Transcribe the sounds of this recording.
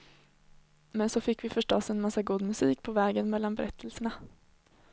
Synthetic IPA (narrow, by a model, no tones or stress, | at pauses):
mɛnsɔfɪkːvɪfœʂʈɔsɛnmasːaɡuːd̪mɵsiːkpʰɔvɛːɡənmɛlːanbɛɾɛt̪ʰːəlsəɳa